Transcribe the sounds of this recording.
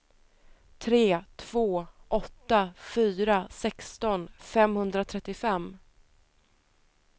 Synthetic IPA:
t̪ʰɾeːt̪ʰv̥oːʔɔt̪ːafyːɾasɛkst̪ɔnfɛmhɵnd̪ɾat̪ʰɾɛt̪ːɪfɛmː

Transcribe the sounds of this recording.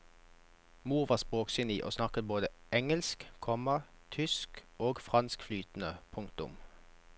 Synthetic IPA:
muːʁʋɑːspoːksɪniːʔo̰ːsnɑkət̪̚boːd̪əʔɛŋəlskkʰɔmə | t̪ʰʏskoːɡfʁɑnskflyːt̪n̩əpʰʊŋkt̪ʊ̰m

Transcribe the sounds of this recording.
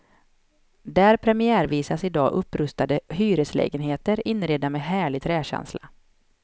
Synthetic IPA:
d̪æːɾpʰɾɛmɪæːɾviːsasɪd̪ɑ̰ːʔɵpːɾɵst̪ad̪əhyːɾəslɛ̰ːɡənɦeːt̪əɾɪnːɾeːd̪amɛːɦæːɭɪɡ̚t̪ʰɾɛːɕɛ̰nsla̰

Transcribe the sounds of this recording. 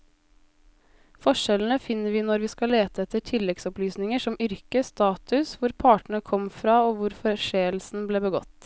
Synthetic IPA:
fɔʂɛln̩əfɪnːəɾʋiːnɔɾʋiːskɑleːt̪əɛt̪əʈʰɪlɛɡsɔplyːsnɪŋəʂɔmʏɾkəst̪ɑːt̪ʉsʋʊɾpʰɑːʈəɳ̩əkʰɔmfɾɑːoːʋʊɾfɔʂeːlsn̩bleːbəɡɔ̰t̪ː

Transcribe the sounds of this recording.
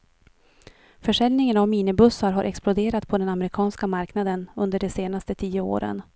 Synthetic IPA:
fœʂɛljnɪŋənavmiːnɪbɵsːaɾɦaɾʔɛ̰ksplʊd̪eːɾat̪pʰɔd̪ɛnamɛɾɪkʰɑːnskamaɾknad̪ənɵnd̪əɖɛseːnast̪ət̪ʰiːəo̰ːɾə̰n

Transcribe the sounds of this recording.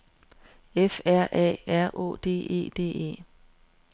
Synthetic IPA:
efæɐ̰ʔɛ̰ːæɐ̰ʔo̝̰ːd̥e̝̰ːe̝̰ːd̥e̝̰ːe̝̰ː

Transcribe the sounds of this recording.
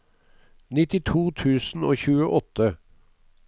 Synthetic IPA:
nɪt̪ɪt̪ʰuːt̪ʰʉːsn̩oːçʉːəʔɔt̪ə

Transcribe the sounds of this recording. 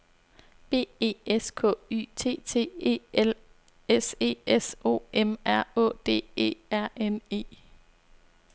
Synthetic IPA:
b̥e̝̰ːe̝̰ːeskʰɔ̰̽ːy̰t͡sʰe̝̰ːt͡sʰe̝̰ːḛːl | ese̝̰ːeso̝̰ːʔemæɐ̰ɔ̰d̥e̝̰ːe̝̰ːæɐ̰ene̝̰ː

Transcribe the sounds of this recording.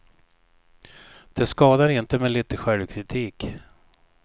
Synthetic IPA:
d̪̥ɛskɑːd̪aɾɪnt̪əmɛliːt̪əɧɛlvkʰɾɪt̪ʰiːk

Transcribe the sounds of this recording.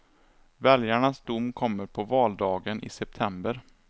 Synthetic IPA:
vɛljaɳasd̪ʊmːkʰɔmːəɾpʰɔvɑːld̪ɑːɡənʔɪ̰sɛp̚t̪ʰɛmbəɾ

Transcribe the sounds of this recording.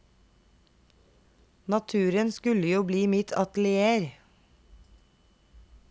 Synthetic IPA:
nɑt̪ʰʉːɾənskʉləjuːbliːmɪt̪ʰɑt̪l̩ɪeːɾ

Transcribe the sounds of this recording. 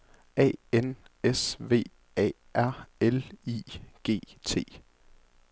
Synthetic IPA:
ɛ̰ːenesʋe̝̰ː | ɛ̰ | ʔæɐ̰elḭːɡ̥e̝̰ːt͡sʰe̝̰ː

